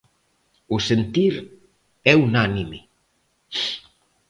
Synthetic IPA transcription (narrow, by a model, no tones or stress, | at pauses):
usent̪iɾ | ɛunanimi